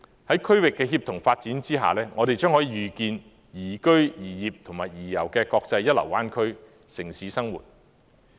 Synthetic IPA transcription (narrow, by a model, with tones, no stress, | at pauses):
hɐ˨˥jkʰɵ˥ɥwɪ˨kːɛː˧ɦiː˧p̚t̪ʰʊ˨˩ŋfaː˧t̚t͡siː˨˥nt͡siː˥ɦa̰ː˨lɛː˥ŋɔː˨˧ɾe˨jt͡ʃœː˥ŋhɔː˨˥jiː˨˧jyː˨˩kiː˧n | jiː˨˩kɵ˥ɥjiː˨˩jiː˨p̚t̪ʰʊ˨˩ŋmaː˨˩jjiː˨˩jɐ˨˩wkɛː˧kɔː˧k̚t͡sɐ˧jːɐ˥t̚lɐ˨˩waː˥nkʰɵ˥ɥ | sɪ˨˩ŋsiː˨˥sɐ˥ŋwṵː˨˩t̚